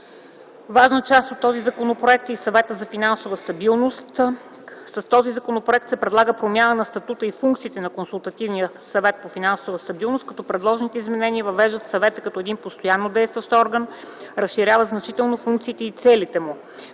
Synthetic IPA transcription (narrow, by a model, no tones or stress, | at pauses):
vaʒnət͡ʃast̪ot̪ːɔzizɐkonopɾoɛk̚t̪isɐvɛt̪əzɐfinansovəst̪ɐbilˠnost̪ | sɐst̪ɔzizɐkonopɾoɛk̚t̪sɛpɾɛd̪lˠaɡəpɾomjanənɐst̪ɐt̪ut̪əifuŋkt̪siːt̪ɛnɐkonsulˠt̪ɐt̪ivnijə | sɐvɛt̪̚pofinansovəst̪ɐbilˠnost̪kɐt̪ɔpɾɛd̪lˠɔʒnit̪ɛizmɛnɛniəvɐvɛʒd̪ət̪sɐvɛt̪əkɐt̪ɔɛd̪inpost̪ojanːod̪ɛjst̪vəʃt̪ɔɾɡənɾəsʃiɾʲjavəznɐt͡ʃit̪ɛlˠnofuŋkt̪siːt̪ɛit̪sɛlit̪ɛmu